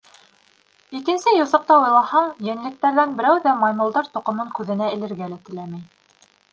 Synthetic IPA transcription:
ikɘ̆nsɘjŏθɤq̚t̪ɑujlˠɑhɑɴjænlɘ̆k̚t̪æɾðænbɘ̆ɾæwðæmɑjmŭlˠd̪ɑɾt̪ŭqŏmɤŋkʉðɘ̆næɘ̆lɘ̆ɾɡælæt̪ɘ̆læmæj

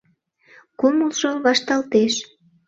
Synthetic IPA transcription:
kumulʃoβɑʃt̪ɑlt̪eʃ

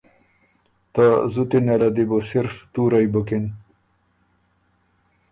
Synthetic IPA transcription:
t̪azut̪inalad̪ibosiɾft̪uːɾajbokin

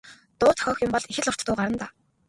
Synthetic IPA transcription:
t̪ʊːt͡sʰœ̥xɔːxjʊmpɔɮixɘ̆ɮʊr̥t̪ːʊːɢaɾə̆nt̪aː

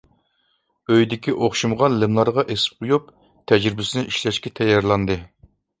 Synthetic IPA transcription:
øjd̪ɪkʲiʔoχʃumʁɑnlɪmlˠɑɾʁɑʔesɪ̥p̚qʰʊjup̚ | t̪ʰɛd͡ʒɾɪbɪsɪnɪʔiʃlɛʃkʲɛt̪ʰɛjːɑɾlˠɑnd̪ɨ

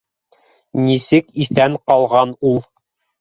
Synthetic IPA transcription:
nisɘkiθæɴqɑlˠʁɑnulˠ

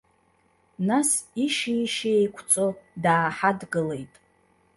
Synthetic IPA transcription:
nasiʃijʃejkʷʰt͡sʼo̞daːħadɡɨle̞jtʼ

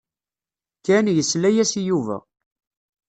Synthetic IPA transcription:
kːænjəslæjæsijuvæ̰

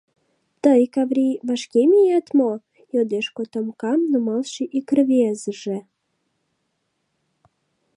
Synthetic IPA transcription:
t̪əjkɑβɾʲiβɑʃkʲemʲijɑt̪mo | jod̪eʃkot̪omkɑmnumɑlʃiʔikrβezʒe

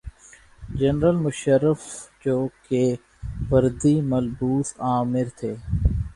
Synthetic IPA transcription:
d͡ʒənɾəlmʊʃəɾːəft͡ʃoːke | ʋəɾd̪imɐlbuːsaːmɪɾt̪ʰeː

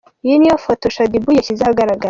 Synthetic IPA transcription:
jiniofatoʃad̪ibujeʃizahaɡaɾaɡa

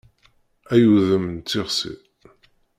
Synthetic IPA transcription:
æjuðəmnt͡sːiʁsḭ

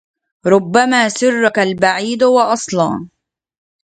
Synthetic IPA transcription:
ɾˤʊbːamaːsʊrːakalbaʕiːd̪wɑʔɑsˤlɑ̰ː

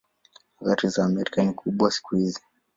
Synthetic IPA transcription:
wakatizaːmɛɾikanikʰuɓwasi̥kuhizi

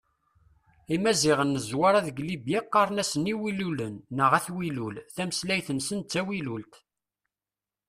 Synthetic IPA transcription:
imæziʁənːəzwɑɾˤɑðəɡlibjæqːɑɾˤnæsəniwilulənːəʁæθwilulθæməslæjθənsənt͡sːæwilult̪

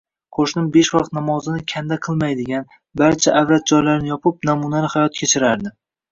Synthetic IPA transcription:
qʰoʃnɪmbe̞ʃvɑqt̪nɒmɒzɪnɪkʲʰand̪aqʰɨlˠmajd̪ɪɡʲan | baɾt͡ʃʰaʔavɾat̪̚d͡ʒɒjlaɾnɪjɒpʰɪp̚namunanɪhajɒt̪̚kʲʰet͡ʃʰɪɾaɾd̪ɪ

